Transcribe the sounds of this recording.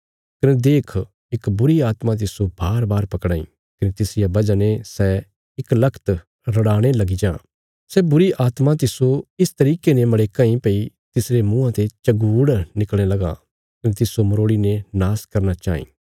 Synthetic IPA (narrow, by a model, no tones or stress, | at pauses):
kɐned̪eːkʰ | ɪkbʊɾiaːt̪mãt̪ɪsobʱaːɾbaːɾpɐkɽaːḭ̃ː | kɐnet̪ɪsɪjabɐd͡ʒanẽsɛ | ɪklɐkʰt̪ | ɾɐɽaːɽ̃elɐɡid͡ʒãː | sɛbʊɾiʔaːt̪mãt̪ɪsoɪst̪ɐɾiːkenẽmɐɽeːkãːĩpɐi | t̪ɪsɾemũãt̪et͡ʃɐɡuːɽnɪkl̃nelɐɡa̰ | kɐnet̪ɪsomɐɾoːɽinẽnaːskɐɾnat͡ʃa̰ːḭ̃ː